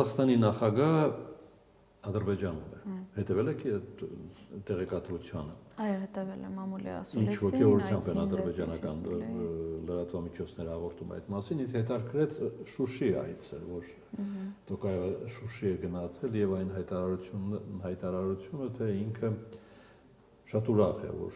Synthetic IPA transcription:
uzɑχst̪ɑninɑχɑɡɑɦə | ɑd̪əɾbɛd͡ʒɑnumɛ̰hɛt̪ɛvɛlɛkʰ | t̪ɛʁɛkɑt̪ɾut͡sʰjɑnəɑjɔɦɛt̪ɛvɛlɛmɑmulḭɑ̰sint͡ʃt͡ʃʰvɔkʰɛvɔɾut͡sʰjɑmpɛnɑd̪əɾbɛd͡ʒɑnɑkɑn | ləɾɑt̪vɑmit͡ʃʰɔt͡sʰnɛɾəhɑʁɔɾt̪ʰumɑ̰jt̪mɑsinishɛt̪ɑɾkʰɾɛt͡sʰʃuʃiɑ̰jt͡sʰə̰vɔɾ | t̪ɔkɑjɛvəʃuʃiɛɡənɑhɑt͡sʰɛljɛvɑjnɦɑjt̪ɑɾuunhɑjt̪ɑɾɑɾut͡sʰjunət̪ʰɛiŋkʰə | ʃɑt̪uɾɑχɛ̰vɔ̰ɾ

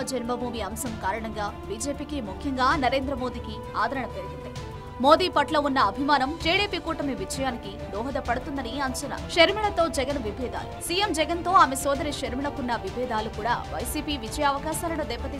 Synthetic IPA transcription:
ɐd͡ʒɛnmɐmuːʋiɐmsɐmkaːɾɐɳɐŋɡaːbiːd͡ʒe̞ːpiːkimukʰjɐŋɡaːnɐɾe̞ːnd̪ɾɐmo̞ːd̪iːki | aːd̪ɐɾɐɳɐpeɾɡ̪unt̪i | mo̞ːd̪iːpɐʈlɐːunːɐːbʱimaːnɐmʈiːɽiːpiːkuːʈɐmiʋid͡ʒɐjaːniki | d̪ɔːɦɐd̪ɐpɐɽut̪und̪ɐniɐɲt͡ʃɐnɐ̰ʃɐɾmiɭɐt̪o̞ːd͡ʒɛɡɐnʋibʱɛːd̪a̰ːlusiːjemd͡ʒɛɡɐnt̪o̞ːaːmesɔːd̪ɐɾiʃɐɾmiɭɐkunːɐʋibʱɛːd̪aːlukuːɽa̰ːʋɐ̰jsiːpiːʋid͡ʒɐjɐːʋɐkaːʃaːlɐnoːd̪ɛbːɐt̪i

